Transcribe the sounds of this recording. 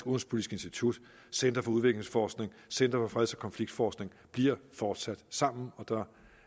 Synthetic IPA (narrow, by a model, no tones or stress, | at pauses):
ɡ̥ɔn̩spʰoli̥sɡ̥e̝nsd̥it͡sʰud̥ | send̥ɐfɒ̽uð̞ˠʋe̝ɡ̥le̝ŋsfɒːsɡ̥ne̝ŋ | sen̰d̥ɐfɒ̽fʁɛðˠsɒ̽kʰɒ̽nfliɡ̥̚d̥fɒːsɡ̥ne̝ŋ | b̥liɐ̰fɒːd̥sæd̥sɑ̈m̰n̩ɒ̽d̥ɑ̈